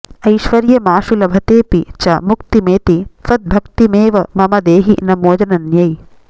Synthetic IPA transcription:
ɐjʃʋɐɾjɐmaːʃulɐbʱɐt̪eːpit͡ʃɐmukt̪imeːt̪it̪ʋɐt̪̚bʱɐkt̪imeːʋɐmɐmɐd̪eːɦinɐmoːd͡ʒɐnɐnjɐj

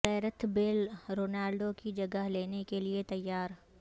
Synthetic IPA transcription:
ɛːɾət̪belɾoːnaːlɖokid͡ʒɐɡəɦleːnekeliet̪ɐjːaːɾ

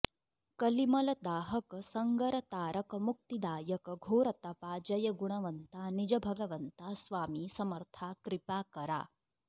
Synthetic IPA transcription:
kɐlimɐlɐd̪aːɦɐkɐsɐŋɡɐɾɐt̪aːɾʔɐkɐmuk̚t̪id̪aːjɐkɐɡʱoːɾɐt̪ɐpaːd͡ʒɐjɐɡuɳ̃ɐʋɐnt̪aːnid͡ʒɐbʱɐɡɐʋɐnt̪aːsʋaːmiːsɐmɐɾt̪ʰaːkɾipaːkɐɾa̰ː

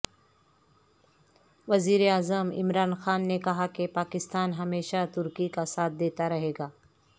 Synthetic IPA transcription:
ʋɐziːɾeaːzəmɪ̰mɾaːnxaːnːekɐɦakepaːkɪst̪aːnɦɐmeːʃat̪ʊɾkikasaːt̪̚ʰd̪eːt̪aɾɐɦeːɡaː

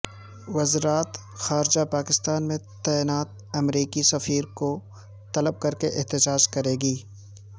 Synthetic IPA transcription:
ʋɐzɾaːt̪ | xaːɾɪd͡ʒapaːkɪst̪aːnmẽt̪ɛːɪnaːt̪̚ | ɐmɾiːkisɐfiːɾko | t̪ɐləb̚kɐɾkeʔɪɦt̪ɪd͡ʒaːd͡ʒkɐɾeːɡiː

